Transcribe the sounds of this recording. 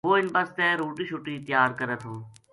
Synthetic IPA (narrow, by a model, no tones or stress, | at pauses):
oːɪnbəst̪eːɾuːʈiːʃuʈiːt̪jaːɾkəɾət̪ʰɦõː